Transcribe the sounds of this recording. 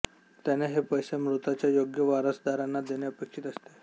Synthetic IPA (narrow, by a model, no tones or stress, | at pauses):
t̪janeɦepəjsemɾut̪at͡ɕjajoɡjəʋaɾəsd̪aɾanːad̪eneəpekʂiːt̪əst̪e